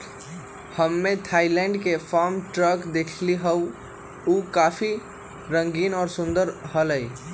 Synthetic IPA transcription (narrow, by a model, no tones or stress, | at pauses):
həmːet̪ʰailɛ̃ɳɖkefaɾmʈɾəɡd̪ekʰliɦəu | ukapʰi | ɾə̃ŋɡiːnɔːɾsʊ̃nd̪əɾɦələj